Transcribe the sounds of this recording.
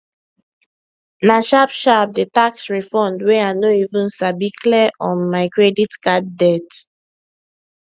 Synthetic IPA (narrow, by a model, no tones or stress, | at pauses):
naʃapʃap̚dətaksɹɛfɔ̃ndwɛanoivũnsabikʰlɛʔɔ̃nmaɪkɹɛditkad̚dɛt